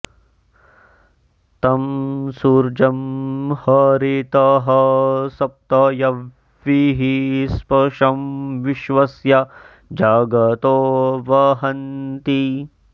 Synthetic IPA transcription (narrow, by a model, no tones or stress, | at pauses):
t̪ɐmsuːɾd͡ʒɐmhɐɾit̪ɐɦɐsɐp̚t̪ɐjɐ | ʋiɦispɐʂɐmʋiʃʋɐsjɐ | d͡ʒaːɡɐt̪oːʋɐɦɐnt̪i